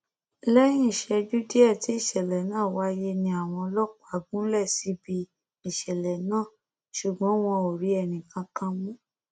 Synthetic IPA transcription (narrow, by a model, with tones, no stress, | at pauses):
lɛ˦j̃ĩ˦i˦˨ʃɛ˧d͡ʒu˦di˦ɛ˦˨ti˨˦i˦˨ʃɛ˨lɛ˨nãː˦˨wa˨˦je˧nĩ˧a˨w̃ɔ̃˧lɔ˦ka˨˦˨ɡũ˦lɛ˦˨si˨˧˦bi˧ | i˨ʃɛ˨lɛ˨nãː˦˨ | ʃu˨ɡ͡bɔ̃˨˦w̃ɔ̃˧o˨ɾi˨˦ɛ˧˨nĩ˨kã˧kã˧mũ˦